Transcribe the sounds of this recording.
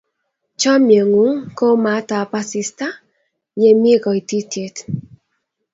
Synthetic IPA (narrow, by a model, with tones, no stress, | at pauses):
t͡ʃɔ˦mje˨ŋu˨˦ŋko˦ma˨˦ta˨pa˦si˧sta˦ | ɲe˨mi˦e˦kɔ˨i˨ti˦tje˨t